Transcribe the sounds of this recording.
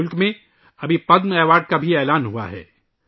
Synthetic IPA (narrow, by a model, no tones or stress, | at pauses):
ʊlkmẽ | ɐbʱipɐd̪mɛːʋaːɖ̚kabʱiɛːlaːnɦua̰ɦɛ̰ː